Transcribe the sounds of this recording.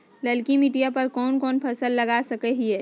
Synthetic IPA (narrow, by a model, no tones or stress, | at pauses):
ləlkimiːɖijapɐɾkɔːnkɔːnpʰɐsəlːɐɡasɐkeɦiɦɛː